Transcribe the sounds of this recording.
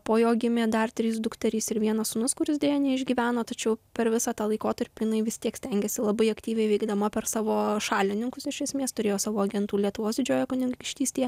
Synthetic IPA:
poːjoːɡʲɪmʲeːd̪ɐrt̪ʲɾʲɪs̬d̪ʊkt̪ʲɐɾʲiːsɪɾʋʲiɛnɐsʊnʊskʊɾʲɪsd̪ʲeːjɛnʲɛɪʒʲɡʲiːʋʲæːnoːt̪ɐt͡ʃʲɛʊpʲɛɾʋʲɪsɑːt̪ɑːlˠɐɪkoːt̪ɐɾʲpʲijɪnɐɪʋʲɪsʲt̪ʲiɛksʲt̪ʲɛŋʲɡʲɛsʲɪlˠɐbɐɪɐkt̪ʲiːʋʲɛɪʋʲɛɪɡd̪ɐmɐpʲɛrsɑːʋoːʃɑːlʲɪnʲɪŋkʊsɪʃʲɛsʲmʲeːst̪ʊɾʲeːjoːsɑːʋoːɐɡʲɛnt̪uːlʲiɛt̪ʊʋoːsd̪ʲɪd͡ʒʲoːjokʊnʲɪŋɡʲkʲɪʃʲt̪ʲiːsʲt̪ʲeː

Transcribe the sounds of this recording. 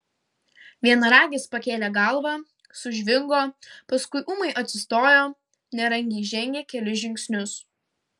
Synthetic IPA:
ʋʲiɛnɐɾɑːɡʲɪspɐkʲeːlʲɛɡɐlˠʋɑ | sʊʒʲʋʲɪŋɡoːpɐskʊɪʔuːmɐɪʔɐt̪ʲsʲɪst̪oːjoː | nʲɛɾɐŋʲɡʲɛɪʒʲɛŋʲɡʲeːkʲɛlʲɪʒʲɪŋʲksʲnʲʊs

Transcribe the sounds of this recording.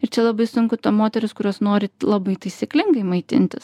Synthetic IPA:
ɪɾt͡ʃʲɛlˠɐbɐɪsʊŋkʊt̪ɐmoːt̪ʲɛɾʲʊskʊɾʲuɔsnoːɾʲɪlˠɐbɐɪt̪ɐɪsʲiklʲɪŋɡɐɪmɐɪt̪ʲɪ̰nʲt̪ʲɪs

